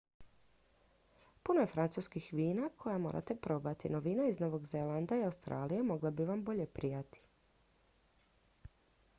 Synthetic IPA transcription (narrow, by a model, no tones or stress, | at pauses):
puno̞je̞fɾant̪suːskixʋiːnakʰo̞jamo̞ːɾʔa̰t̪e̞pɾo̞bat̪inoʋiːnaizno̞ʋo̞ɡzelˠand̪aiawst̪ɾa̰ːlijemo̞ɡlˠabiʋambo̞ʎe̞pɾijat̪i̥